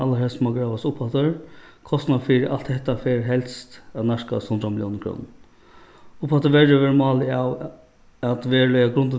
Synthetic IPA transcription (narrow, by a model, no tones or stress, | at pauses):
alːaɦɛlsmaɡɾaːʋasʊphat̪əɹkʰɔst̪nafiːɾɪʔal̥t̪hɛht̪ːafeɾɦɛlst̪anaʂka̰shʊnd̪ɾamɪljɔ̰wnəkʰɾṵːnn | ʊphat̪əʋɛɹəʋeːɾmɑːlɪaw | at̪ʋeːɾlɛjaɡɾʊnt̪ə